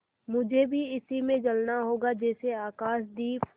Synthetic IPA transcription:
mʊd͡ʒʱebʱiɪsimẽd͡ʒɐlnaɦoːɡad͡ʒɛːseaːkaːʃd̪iː

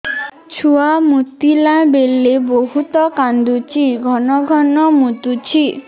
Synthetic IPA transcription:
t͡ɕʰuamut̪ːilãbelːeboɦut̪ɔkand̪ut͡ɕiɡʱɔnɔɡʱɔnɔmut̪ut͡ɕʰi

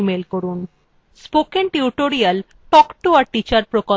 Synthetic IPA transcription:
melkoɾun | spokenʈiuʈoɾial | ʈɔkʈuaɾʈit͡ɕaɾpɾoko

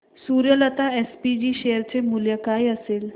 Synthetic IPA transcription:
suɾjələt̪aespid͡ʑiːɕejəɾt͡semuljəkajəseːl

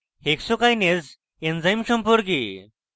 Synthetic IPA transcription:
heksokajned͡z | end͡zajmɕəmpoɾɡi

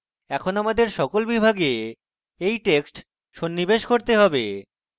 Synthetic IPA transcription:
ɛkʰonamad̪eɾʃɔkolbibʱaɡe | ejʈeksʈ | ʃonːibeʃkoɾt̪eɦɔbe

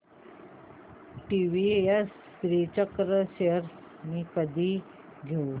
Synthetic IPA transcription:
ʈiʋies | tɾit͡ɕəkɾəɕeəɾs | miːkəd̪ʱiː | ɡʱeu

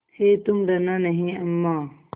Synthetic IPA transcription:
het̪umɖɐnanɐɦĩɐmːaː

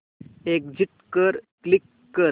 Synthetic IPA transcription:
ek̚d͡ʑiʈkəɾklikːəɾ

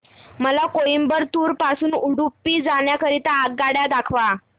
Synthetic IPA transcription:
məlakoimbəɾt̪uːɾpasuːnuɽupːiːd͡zaɳjakəɾit̪aːɡɡaɽjad̪akʰʋa

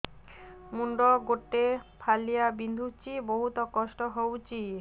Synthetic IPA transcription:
muɳɖɔɡoʈːepʰalijabind̪ʱut͡ɕiboɦut̪ɔkɔʃʈɔɦowt͡ɕi

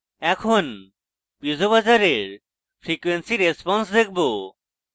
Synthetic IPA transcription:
ɛkʰon | pid͡ʑoβad͡ʑaɾeɾ | fɾikwensiɾespɔnsd̪ek̚ʰbo

